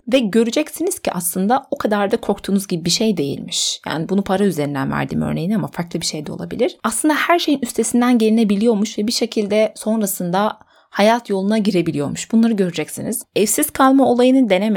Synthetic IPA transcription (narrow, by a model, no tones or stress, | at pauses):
vɛɟø̞ɾyd͡ʒɛcsiniz̥cʰiʔaslˠɯnd̪aokʰad̪aɾd̪akʰo̞k̚t̪ʰuːnuzɟibibiʃejd̪e̞jḭlʲmiʃja̰ːnibunupʰaɾayzeɾind̪ænvæ̰ɾd̪ḭːmø̰ɾne̞jinamafaɾklˠɯbiʃejd̪ɛo̞̰lˠa̰bḭlʲiɾ̥aslˠɯnd̪ahæɾʃe̞jinyst̪ʰe̞sind̪ænɟe̞ɾinɛbilʲijo̞ɾmuʃvɛbiʃe̞cʰilʲd̪ɛso̞nɾasɯnd̪a | hajat̪ʰjo̞lˠunaɟiɾe̞bilʲijo̞ɾmuʃbunlˠaɾɯɟø̞ɾyd͡ʒɛcsiniz̥ɛfsiz̥kʰalˠmao̞lˠajɯnɯd̪e̞nem